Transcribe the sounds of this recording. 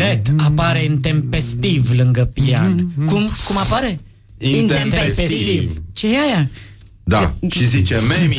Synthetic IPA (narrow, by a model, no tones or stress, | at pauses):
et̪apaɾeɨnt̪empest̪ivlɨŋɡəpiankumkumapaɾe | neesest̪ivt͡ʃeaja | d̪aʃizit͡ʃeme